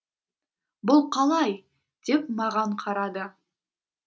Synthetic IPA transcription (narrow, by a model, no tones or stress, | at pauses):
bʊlˠqʰɑlˠɑj | d̪̥e̞pmɑʁɑɴqʰɑɾɑd̪ə